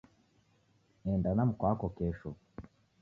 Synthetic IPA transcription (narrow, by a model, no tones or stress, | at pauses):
nendanamukwaːkokeːʃo